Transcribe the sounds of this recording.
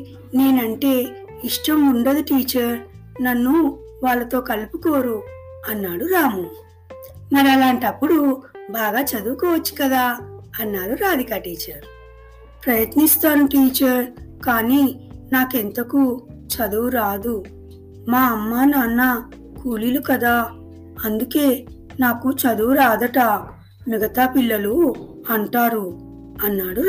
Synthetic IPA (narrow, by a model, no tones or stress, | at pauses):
ne̞ːnɐɳʈe̞ː | iʂʈɐmuɳɖɐd̪uʈiːt͡ʃɐɾ | nɐnːu | ʋaːɭːɐt̪o̞ːkɐlupuko̞ːɾu | ɐnːaːɽuɾaːmu | mɐɾɐlaːɳʈɐpːuɽubaːɡaːt͡ʃɐd̪uːkɔːʋɐt͡ʃːu̥kɐd̪aːɐnːaːɾuɾaːd̪ikɐʈiːt͡ʃɐɾ | pɾɐjɐt̪nist̪aːnuʈiːt͡ʃɐɾkaːniːnaːkent̪ɐkut͡ʃɐd̪uuɾaːd̪u | maːɐmːaːnanːɐ | kuːlilukɐd̪aː | ɐnd̪uke̞ː | naːkut͡ʃɐd̪uwuɾaːd̪ɐʈɐ | miɡɐt̪aːpilːɐlu | ɐɳʈaːɾu | ɐnːaːɽu